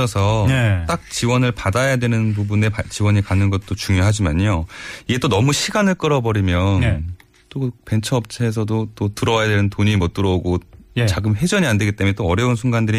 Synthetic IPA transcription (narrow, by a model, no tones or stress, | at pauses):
ʌsʰʌtt͈ak̚t͡ɕiwʌnɯɭpadajadwenɯnp̬ubune̞pat͡ɕiwʌɲikanɯnɡʌt̚t͈ot͡ɕuŋjoɦad͡ʑimaɲoiɡe̞t͈onʌmuɕʰiɡanɯɭk͈ɯɾʌbʌɾimjʌn | t͈ope̞nt͡ɕʰʌːp̚t͡ɕʰeːs̬ʰʌdot͈otɯɾʌwajadwe̞nɯntoɲimʌt͈ɯɾʌoɡot͡ɕaɡɯmɸe̞d͡ʑʌɲiandwe̞ɡit͈emjet͈oʌɾjʌunsʰuŋɡandɯɾi